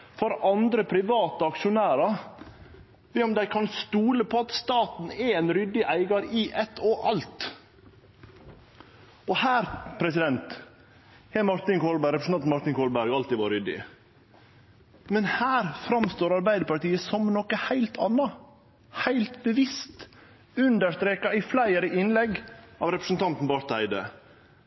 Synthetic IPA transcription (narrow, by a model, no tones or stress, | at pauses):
fɔɾɑnd̪ɾəpʰɾɪʋɑːt̪əɑkʃʊnæːɾɑ | ʋɛɔmd̪æɪkʰɑnst̪uːləpʰɔɑt̪st̪ɑːt̪n̩ɛɛnɾʏd̪ːɪʔæɪɡɑɾɪʔɛt̪ʰːɔʔɑlt̪ | ɔhæːɾpʰɾɛsɪd̪ɛnt̪ | hɛmɑɾt̪ɪnkʰoːlbæɾɛpɾəsn̩ɑnmɑɾt̪ɪnkʰoːlbæɾɡɑlt̪ɪʋɑːɾʏd̪ɪ̰ | mɛnhæːɾfɾɑmst̪oːɾɑɾbæɪd̪əpɑʈiːəsɔmnɔkəhæɪlt̪ʰɑnːɑ | hæɪlt̪bəʋɪst̪ | ʉnd̪əʂt̪ɾeːkɑɪflæɪəɾəʔɪnlɛɡɑːʋɾɛpɾəsnt̪ʰɑnt̪n̩bɑɾt̪æɪd̪ə̰